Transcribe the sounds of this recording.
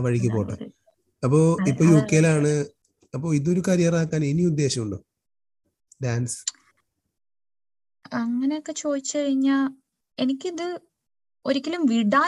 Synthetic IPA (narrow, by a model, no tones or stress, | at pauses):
ʋɐɻik̬ʲːɐpːoːʈːɐ̰ | ɐpːo̞ːipːoːjokːejlaːɳɨ | ɐpːo̞ːiðo̞ɾukɐɾjaːrɐaːkːaːneniud̪ːe̞ːɕɐmuɳɖo | ɖaːnsɨ̥ | ɐŋːɐneokːe̞t͡ɕo̞ːd̪it͡ɕːɨkɐɻiɲːaːl | e̞nikʲːiðɨ | o̞ɾikʲːɐlumʋiɽaː